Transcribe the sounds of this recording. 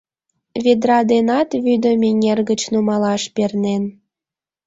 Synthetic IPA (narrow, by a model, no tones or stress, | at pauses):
βed̪ɾɑd̪enɑt̪βyd̪ə̆mʲenʲerɣət͡ɕnumɑlɑʃpernen